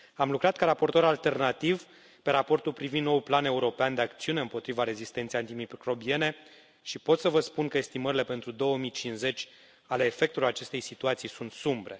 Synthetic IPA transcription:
amlukɾat̪̚kaɾapo̞rt̪o̞ɾalt̪e̞rnat̪iv | pe̞ɾapo̞rt̪ulpɾivind̪nowplane̞uɾo̞peand̪e̞akt̪siune̞ɨmpo̞t̪ɾivaɾe̞zist̪ent̪ejant̪imikɾo̞bie̞ne̞ | ʃipo̞t̪səvəspunkəest̪iməɾile̞pe̞nt̪ɾud̪o̞wəmijt͡ʃinze̞t͡ʃʲ | ale̞ːfe̞k̚t̪ulat͡ʃe̞st̪e̞jsit̪uat̪sijsunt̪sumbɾe̞

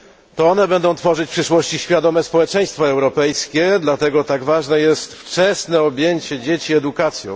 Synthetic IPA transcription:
t̪ɔɔnɛbɛnd̪ɔ̃w̃t̪fɔʐɘt͡ɕpʂɘʂwɔɕt͡ɕiɕfʲjad̪ɔmɛspɔwɛt͡ʂɛj̃st̪fɔɛwɾɔpɛjskʲɛd̪lat̪ɛɡɔt̪aɡvaʐnɛjɛst̪ft͡ʂɛsnɛɔbʲjeɲt͡ɕɛd͡ʑet͡ɕiɛd̪ukat̪sʲjɔ̃w̃

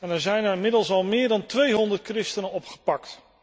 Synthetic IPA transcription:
ɛnɛɹzɛjnɛɹɪmɪdəlˠsɑlˠmɪːɹdɑntʋejɦɔndəɹt̚krɪstənənɔpχə̥pɑkt

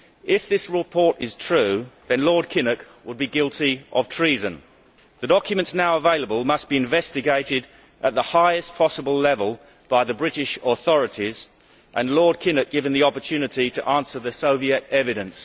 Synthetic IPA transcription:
ʔɪfðɪsɹɪpʰɔɹɾɪz̥tʰɹ̥ʉðɨ̃nlɔɹd̚kʰɪ̃nɨk | wəd̚biɡɪlˠtʰiʔəv̥tʰɹ̥izɨ̃n | ðɨdɑkʰjmɨ̃ntsnaʊəveɪlˠəbəlˠmʌsb̥iɨ̃ɱvɛstɨɡeɪɾɪɾ | ʔət̪̚ðəhaɪɨspʰɑsəbəlˠlɛvəlˠ | b̥aɪðɨbɹɪɾɪʃəθɔɹɨɾiz | ʔə̃nlɔɹd̚kʰɪ̃nɨk̚ɡ̥ɪvɨ̃nðiɑpə˞tʰʉnɨɾiɾɨʔæ̃nsə˞ðɨsoʊviɨɾɛvɨɾɨ̃ns

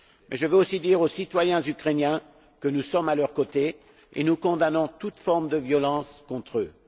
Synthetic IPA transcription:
mɛʒəvøosid̪iʁosit̪wajɛ̃zykχenjɛ̃ | kənusɔmalœʁkot̪e | ḛnukɔ̃d̪anɔ̃t̪ut̪fɔʁmd̪əvjɔlɑ̃skɔ̃t̪χø

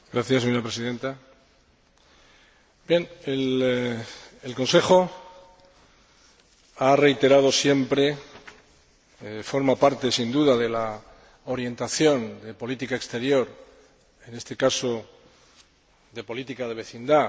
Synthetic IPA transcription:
ɡɾaθjaseɲoɾapɾesiðe̞nt̪a | bje̞nel | elko̞nse̞xo̞ | are̞jt̪e̞ɾaðo̞sje̞mpɾe̞ | fo̞ɾmapaɾt̪e̞sind̪uðaðe̞la | oɾje̞nt̪aθjo̞nd̪e̞po̞lit̪ikaekst̪e̞ɾjo̞ɾ | e̞ne̞st̪e̞kaso̞ | d̪e̞po̞lit̪ikaðe̞β̞e̞θind̪a

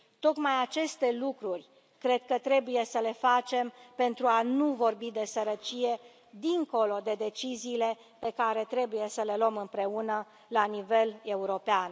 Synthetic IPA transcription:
t̪o̞k̪majat͡ʃe̞st̪e̞lukɾurʲ | kɾe̞d̪̚kət̪ɾe̞buje̞səle̞fat͡ʃe̞mpe̞nt̪ɾuanuvo̞rbid̪e̞səɾət͡ʃije̞ | d̪iŋko̞lo̞d̪e̞d̪e̞t͡ʃiziːle̞ | pe̞kaɾe̞t̪ɾe̞buje̞səle̞lomɨmpɾe̞unə | lanive̞le̞uɾo̞pean

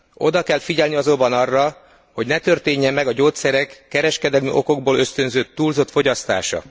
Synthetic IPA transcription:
o̞d̪ɒkɛlfiɟɛlniɒzobɒnɒrːɒ | ho̞ɟnɛt̪ørt̪eːɲːɛmːɛɡɒɟoːt̪sɛɾɛkːɛɾɛʃkɛd̪ɛlmy̰ʔo̞ko̞ɡboːløst̪ø̞nzøːt̪ːuːlzo̞t̪fo̞ɟɒst̪a̰ːʃɒ̰

